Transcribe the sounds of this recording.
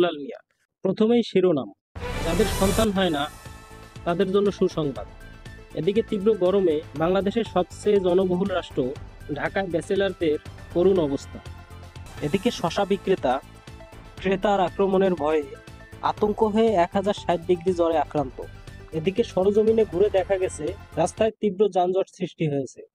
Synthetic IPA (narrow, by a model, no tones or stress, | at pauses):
lalnija̰ | pɾot̪ʰomejʃiɾona̰m | d͡ʑad̪eɾʃɔnt̪anɦɔena | t̪ad̪eɾd͡ʑonːoʃuɾʃɔŋbad̪ed̪iket̪ibɾoɡɔɾomebaŋlad̪eʃeɾʃɔp̚sejd͡ʑɔnoboɦulɾaʃʈɾoɖʱakaebɛselaɾd̪eɾkoɾunɔbost̪ʰa | ed̪ikeʃɔʃabikːɾet̪a | kɾet̪aɾakɾomoneɾbʱɔee | a̰t̪oŋkoɦɔeɛkɦad͡ʑaɾʃajt̪d̪iɡɾid͡ʑɔɾeakɾant̪o̰ed̪ikeʃɔɾod͡ʑomineɡʱuɾed̪ɛkʰaɡɛt͡ɕʰeɾast̪aet̪ibɾod͡ʑand͡ʑɔʈsɾiʃʈiɦojet͡ɕʰe